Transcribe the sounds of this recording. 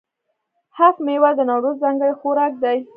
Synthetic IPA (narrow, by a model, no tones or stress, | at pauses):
hafmewad̪ənawɾozzaŋɡəɽxoɾɑk̚d̪aj